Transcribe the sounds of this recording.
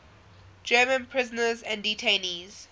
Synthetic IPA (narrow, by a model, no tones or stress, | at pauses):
d͡ʒɜːmə̃npʰɹ̥ɪzənəzæ̃nditʰẽniz̥